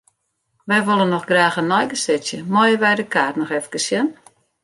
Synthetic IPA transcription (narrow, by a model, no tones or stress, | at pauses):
ʋɛjʋolˠənːɔxɡraːxənːɔjɡəsɪsjəmɔjəʋɛjdəkaːtnɔxɛfkəsjən